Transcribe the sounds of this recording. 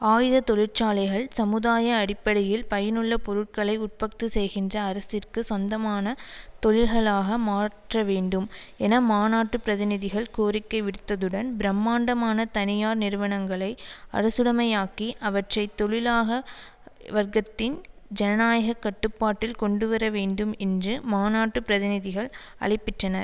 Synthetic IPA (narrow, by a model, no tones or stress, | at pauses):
aːjɪðɐt̪ɔɭɪɾt͡ʃaːlɐɪɣɐɭsɐmɯðaːjɐːɽɪpːɐɽɐjɪlpɐjɐnɯɭːɐpɔɾɯʈ̚kɐɭɐɪʊʈ̚pɐk̚t̪ɯsɛjɣɪndrɐːɾɐsɪrkɯsɔnd̪ɐmaːnɐt̪ɔɭɪlɣɐɭaːɣɐmaːʈrɐʋeːɳɖɯm | ɛnɐmaːnaːʈːɯpɪɾɐðɪnɪðɪɣɐɭkoːɾɪkːɐɪʋɪɽɯt̪ːɐðɯɽɐnbɪɾɐmːaːɳɖɐmaːnɐt̪ɐnɪjaːɾnɪɾɯʋɐnɐŋɡɐɭɐɪɐ̰ɾɐsɯɽɐmɐɪjaːkiʔɐʋɐʈrɐɪt̪ːɔɭɪlaːɣɐ | ʋɐɾɡɐt̪ːɪnd͡ʒɛnɐnaːjɐɣɐkːɐʈːɯpːaːʈːɪlkɔɳɖɯʋɐɾɐʋeːɳɖɯmɛndrɯmaːnaːʈːɯpɾɐðɪnɪðɪɣɐɭ | ɐ̰ɭɪpːɪʈrɐnɐɾ